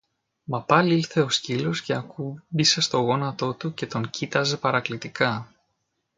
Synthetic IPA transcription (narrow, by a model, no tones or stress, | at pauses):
mɐpɐliiɾθe̞o̞scilo̞sce̞ɐkubise̞st̪o̞ɣo̞nɐt̪o̞t̪uce̞t̪o̞ŋcit̪ɐze̞pɐɾɐklit̪ikɐ